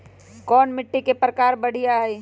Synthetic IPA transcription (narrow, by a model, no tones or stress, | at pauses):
kɔːnmɪʈːikepɾəkaːɾbəɽ̤ijaɦɛj